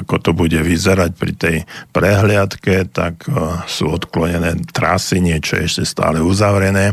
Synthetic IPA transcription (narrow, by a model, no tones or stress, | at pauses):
akɔt̪ɔbuɟɛʋizɛɾac̚pɾḭt̪ɛjpɾɛɦlɪat̪kɛt̪a̰ksṵːɔt̪klɔɲɛnɛːt̪ɾa̰siɲɪɛt͡ʃɔjɛ̰ɛʃcɛst̪a̰ːlɛuzaʋɾɛnɛː